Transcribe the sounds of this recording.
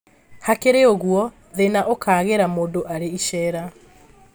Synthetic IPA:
hakeɾeoɣuɔ | ðenaʔokaːɣeɾamoːndoʔaɾeiʃɛːɾa

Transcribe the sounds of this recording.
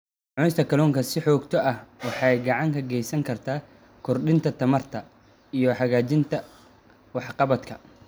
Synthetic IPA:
ʕʊnɪst̪ʰɐkʰɐluːŋkʰɐsɪħɔːɡt̪ʰɔʔɐhwɑħɑjɡɑʕɑŋkʰɐɡɛjsɐŋkʰɐrt̪ʰaː | kʰʊrɗɪnt̪ʰɐt̪ʰɐmɐrt̪ʰɐ | ijɞħɑɣaːt͡ʃɪnt̪ʰɐ | wɑħqɑβɐd̪kʰɐ

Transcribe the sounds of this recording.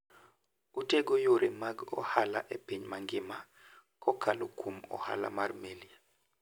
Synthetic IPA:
uteɡojoɾemaɡɔ̰hala̰ʔepiɲmaŋɡɪma | kɔkʰalokʰumɔ̰ha̰la̰marmelia

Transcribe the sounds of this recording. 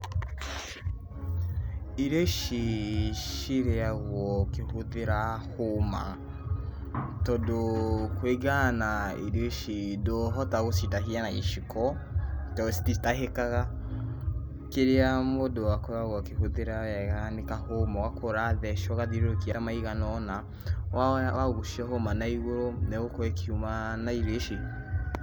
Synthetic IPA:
iɾoʃiʃiɾeaɣwɔkehoðeɾahoma̰ | tɔdokweɡanaiɾoʃidoɦɔtaɣositaɦianaeʃikʰɔ | tɔsi̥titaɦekaɣa | keɾeamodowakoɾaɣwakehoðeɾawɛɣanekahomawakʰoɾaðɛʃɔɣaðiɾoɾokiaamaiɣanɔna | wawaɣuʃiɔɦomanaiɣoɾoneɣokɔekiumanaiɾeʃi

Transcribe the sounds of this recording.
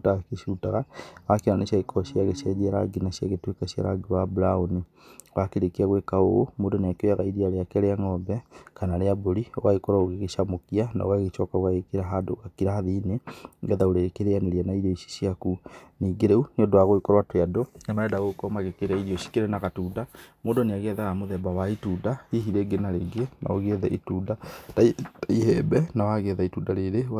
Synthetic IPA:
takeʃutaɣawakiɾaneʃaikɔʃiaɣesiad͡ʒiaɾa̰ɡinaʃiaɣetwekaɕia̰ɾa̰ɡiwabuɾaoni | wakeɾekiaɣwekaomodoneakeojaɣaiɾiaɾeakɛɾeaŋɔbɛkanaɾeaboɾiwaikɔɾaoɣeɣeʃamokiana̰waɣet͡ʃɔkaɣwaɣekeɾaɦadoɣakiɾahaðineɡɛðaoɾekeɾeaneɾianaiɾoiʃi̥ʃiakuniːɡeɾeuneodoaɣoikɔɾwatweadoanaɛdaɣokɔmaɣekeɾaiɾioʃi̥keɾenaɣatuːdamodoneaɣɛðaɣamoðɛbawaitudaiɦiɾeɡenaɾeɡeɛna̰oɣɛðɛʔituːdataaihɛbɛnawaɣɛðaituːdaɾeɾe

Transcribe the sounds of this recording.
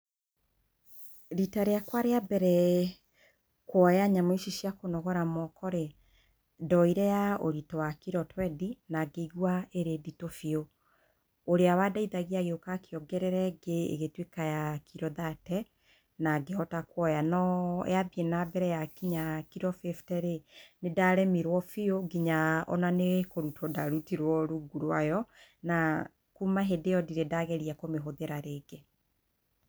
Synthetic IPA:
ɾitaɾeakwaɾeabɛɾɛ | kwɔjaɲamoiʃiʃijakonɔɣɔɾamɔkɔɾe | dɔiɾɛjaoɾitɔwakiɾɔtwɛdinaɡeiɣwaeɾeditofio | oɾeawadaiðaɣiaɣeokakeɔɡɛɾɛɾɛɡeḛɣetwekajakʰiɾɔðatɛ | naɡeɔtakwɔjanɔjabienabɛɾɛjakiɲakiɾɔfeftɛɾenedaɾɛmiɾwɔfioɡiɲaɔ̰nanekoɾutʰɔdaɾutiɾwɔɾuɡuɾwajɔna | kumaɦedejɔdiɾedaɣɛɾiakomeɦoðeɾaɾeːɡe

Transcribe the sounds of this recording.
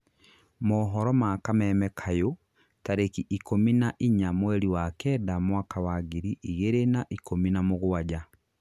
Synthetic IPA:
mɔːɦɔɾɔmakamɛmɛkʰajo | taɾekiʔikominaʔiɲamwɛɾiwakɛːdamwakawaɣiɾiʔiɣeɾenaʔikominamoɣwad͡ʑa

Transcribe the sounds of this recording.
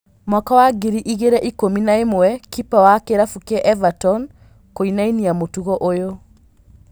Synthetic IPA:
mɔkawaɡiɾiʔiɣeɾɛʔikominaemɛkipawakeɾafukɛʔɛvatɔn | koinainiamotuɣɔʔojo

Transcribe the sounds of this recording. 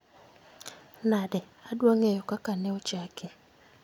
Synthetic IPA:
nadɛ | adwaŋejɔkakanɛot͡ʃake

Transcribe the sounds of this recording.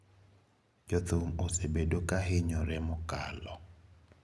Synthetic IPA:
d͡ʒɔt̪omosebedokaɦɪɲɔɾɛmʊkalɔ̰

